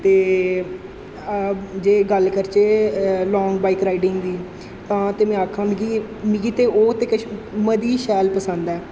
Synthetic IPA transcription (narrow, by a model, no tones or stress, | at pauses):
t̪eː | d͡ʒeːɡəlkəɾt͡ʃeːlɔ̃ːŋɡbaːiːkɾaːiɖɪŋɡd̪iː | t̪ãːt̪eːmɛ̃ːaːkʰːãːnd̪ɡiː | miɡiːt̪eːʔoːt̪eːkəməd̪iːʃɛːlpəsə̃nd̪ɛː